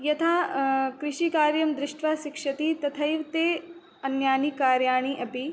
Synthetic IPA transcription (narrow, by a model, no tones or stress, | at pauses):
jɐt̪ʰaːkɾɪʃikaːɾjɐmd̪ɾɪʂʈʋaːʃikʂɐt̪it̪ɐt̪ʰɐjʋt̪eː | ɐnjaːnikaːɾjaːɳ̃iʔɐpi